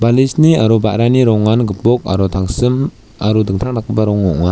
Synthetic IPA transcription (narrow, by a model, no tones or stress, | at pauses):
balisniaɾubaʔɾaniɾɔŋːanɡɯpɔk̚a̰ɾɔtʰaŋsɯm | aɾudɯŋtʰaŋlak̚ːɯbaɾɔŋːɔʔŋa